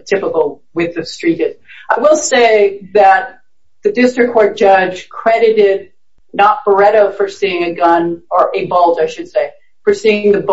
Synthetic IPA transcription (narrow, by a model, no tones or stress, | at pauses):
tʰɪpəkl̩ˠwɪðʌv̥stɹ̥iɾɨz̥aɪwɪlˠseɪðɨt̪̚ | ðɨdɪstɹ̥ɨkʰːɔɹt̚d̥ʒ̥ʌ̥d͡ʒ̥kʰɹ̥ɛɾɨɾɪd̚ⁿ | nət̚b̥ə˞ɛɾoʊfə˞siɪ̃ŋɨɡʌ̃nə˞ʔɨbolˠd͡ʒaɪʃɨd̥seɪ | fə˞siɪ̃ŋðɨb